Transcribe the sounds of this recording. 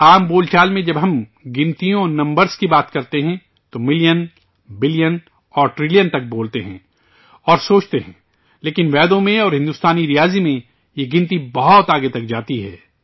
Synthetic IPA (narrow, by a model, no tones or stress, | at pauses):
aːmboːlt͡ʃaːlmẽd͡ʒɐbɦɐmɡɪ̃nt̪ijõɔnɐ̃mbəɾskibaːt̪kɐɾt̪eɦɛ̃ | t̪omɪljən | bɪlijən | ɔːɾʈɾɪlijənt̪ɐk̚boːlt̪eɦɛ̰̃ː | ɔːɾsoːt͡ʃt̪eɦɛ̰̃ | leːkɪnʋɛːd̪õmẽɔːɾɦɪ̃nd̪ʊst̪aːniɾijaːzimẽ | jeɡɪ̃nt̪ibɐɦɔt̪aːɡet̪ɐk̚d͡ʒaːt̪iɦɛː